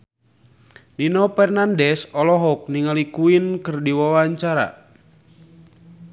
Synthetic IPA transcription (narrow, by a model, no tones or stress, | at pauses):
linɔpɛrnandɛsɔlɔɦɔk̚niŋalikuinkɨrdiwawaɲt͡ʃaɾa̰